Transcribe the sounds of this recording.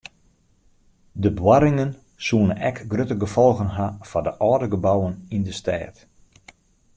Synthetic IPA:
dəbwaɾɪŋən | suənənɛkɡrøtəɡəfɔlˠɣənɦafadəʔɔːdəɡəbawənindəstʰɛ̰ːt

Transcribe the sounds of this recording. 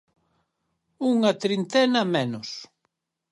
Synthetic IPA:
uŋɐt̪ɾint̪ɛnɐmenʊs

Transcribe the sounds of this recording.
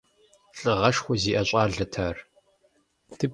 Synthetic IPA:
ɬʼɨʁɐʃxʷɔziːʔɐɕʷʼɑːɮɐtʰaːr | tʰɨ

